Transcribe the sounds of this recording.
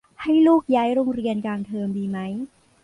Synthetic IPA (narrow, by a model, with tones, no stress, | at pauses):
ha˥˩jluː˥˩k̚jaː˦˥jɾoː˧ŋɾi˧ənkaː˧nt̪ʰɤː˧mdiː˧ma˦˥j